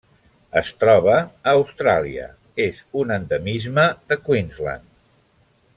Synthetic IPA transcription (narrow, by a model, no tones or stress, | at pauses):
əst̪ɾɔβ̞əːwst̪ɾaliə̰ | ezunənd̪əmizməðəkwinzlə̰n